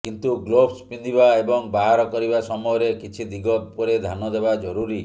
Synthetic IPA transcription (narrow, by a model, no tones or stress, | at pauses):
kint̪uɡlobspind̪ibaebɔŋbaɦaɾɔkɔɾibasɔmɔjɔɾekit͡ʃʰid̪iɡɔt̪̚pɔɾed̪ʱanɔd̪ebad͡ʒɔɾuɾi